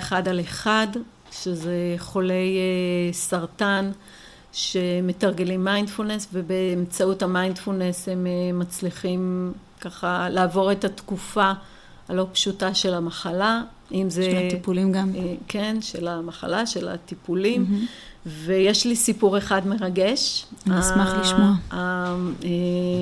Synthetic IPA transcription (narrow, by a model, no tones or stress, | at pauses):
eχadaleχad | ʃezeχo̞le̞jesaʁtan | ʃeme̞taʁɡelimːajnd̥fulne̞sve̞beːmt͡sauthamajndfulneshe̞memat͡sliχimkaχalaːvo̞ʁe̞tatkufa | alo̞pʃutaʃe̞lamaχala | ʔimzeipulimɡamkʰenʃelamaχa̰laʃe̞la̰tipulim | ve̞jeʃlisipuʁe̞χadme̞ʁaɡe̞ʃasmaliʃmae